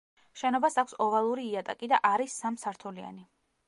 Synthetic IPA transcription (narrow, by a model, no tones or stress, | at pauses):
ʃɛnɔbasakʷʰsɔvalˠuɾiːat̪ʼakʼid̪a̰ʔaɾisːamsaɾt̪ʰulia̰ni